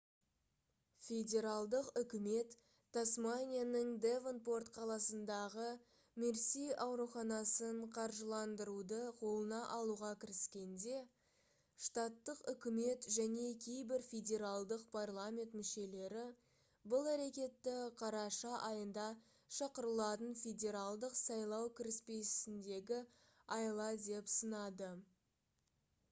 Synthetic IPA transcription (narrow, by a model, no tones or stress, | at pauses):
fʲe̞dʲe̞ɾalˠd̪əqʏkʲɪme̞t̪ː | asmanʲijanəŋd̪evənpo̞rt̪qʰɑlˠɑsənd̪ɑʁə | meɾsijʔɑwɾuχɑnɑsəɴqʰɑɾʒəlˠɑnd̪əɾud̪əqʰo̞lˠənɑʔɑlˠuʁɑkʲʰɪɾɪskʲe̞nd̪e̞ | ʂt̪ɑt̪ːəqʏkʲɪme̞t̪ʒæne̞kʲʰe̞jbɪɾfʲedʲe̞ɾalˠd̪əqpʰarlˠamʲe̞nt̪mɪʃe̞le̞ɾɪ | bʊlˠæɾe̞kʲe̞t̪ːɪqʰɑɾɑʃɑʔɑjənd̪ɑ | ʃɑqəɾəlˠɑt̪ənfʲed̪ʲe̞ɾalˠd̪əqsɑjlˠɑwkʲʰɪɾɪspe̞ɪnd̪e̞ɡʲɪ | ɑjlˠɑd̪e̞psənɑd̪ə